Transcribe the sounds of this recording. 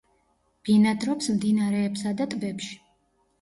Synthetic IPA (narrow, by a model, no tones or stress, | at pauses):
b̥inad̪ɾɔpsmd̪inaɾɛːpsad̪at̪ʼbɛpʃi̥